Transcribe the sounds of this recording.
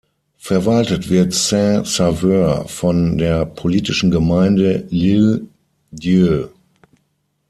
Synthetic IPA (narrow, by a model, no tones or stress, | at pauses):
fɛɐvaltətv̥ɪɐtsɛ̃savøɐfɔndeːɐpʰoliːtɪʃn̩ɡəmaɪndəlɪl | dil